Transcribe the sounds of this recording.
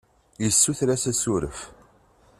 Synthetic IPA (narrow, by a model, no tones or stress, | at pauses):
jəsːuθɾæsæsuɾə̰f